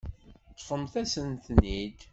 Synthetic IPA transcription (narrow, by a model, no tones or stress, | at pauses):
t͡s̪ːfəmθæsənt̪nid̪